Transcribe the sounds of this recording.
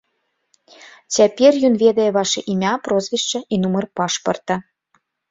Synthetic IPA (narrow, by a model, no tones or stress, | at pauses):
t͡sʲæpʲerʲjunvʲed̪ejβɑʃeʔimʲɑprozvʲiʃt͡ɕə̆ʔinumərpɑʃpɤrt̪ɑ̆